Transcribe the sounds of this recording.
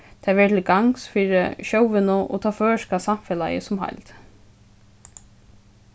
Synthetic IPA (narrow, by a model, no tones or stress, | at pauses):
t̪ʰɛːʋɛːt̪ʰɪlɡaŋsfiːɹə̰ʃowʋɪnʊʔɔ̰t̪ʰɑːføːʃkasamfɛla̰jə̰sʊmɦa̰jlt̪